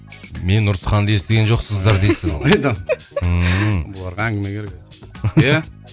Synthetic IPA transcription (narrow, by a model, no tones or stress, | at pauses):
me̞nːʊɾsəχɑnd̪ɑest̪ɪɡʲenʒo̞qsəzd̪ɑɾd̪ejsɪzzjd̪ɑ | əbʊlˠɑɾʁɑæŋɡʲɪmekʰʲeɾek̚ | jæ